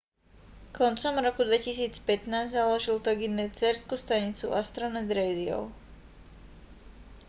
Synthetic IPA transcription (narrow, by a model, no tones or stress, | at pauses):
kɔnt͡sɔmɾɔkud̪ʋɛcisiːt͡spɛt̪naːzzalɔʒilt̪ɔɡinɛt͡sɛɾskust̪aɲit͡sṵʔast̪ɾɔnɛd̪ɾɛjd̪iɔ̰ʊ